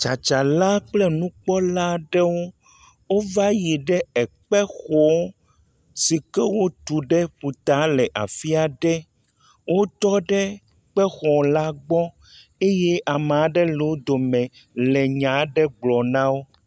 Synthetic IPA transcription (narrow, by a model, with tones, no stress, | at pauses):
t͡ʃa˨t͡ʃa˨la˦k͡plɛ˦nũ˦k͡pɔ˦la˦ɖɛ˦wo˦ | wo˦va˦ji˨ɖɛ˦ɛ˨k͡pɛ˦xɔ˦ | si˨kɛ˦wo˦t̪u˨ɖɛ˦ɸu˨t̪a˨˦lɛ˨ʔa̰˨fi˦a˨ɖɛ˦ | wʔo˦t̪ɔ˦ɖɛ˦ | k͡pɛ˦xɔ˨la˦ɡ͡bɔ˦ | e˦jɛ˦ʔa˨m˨a˨ɖɛ˦le˨wo˦d̪o˨mɛ̃˨ | lɛ˨ɲã˨˦ɖɛ˦ɡ͡blɔ˨nã˦wo˦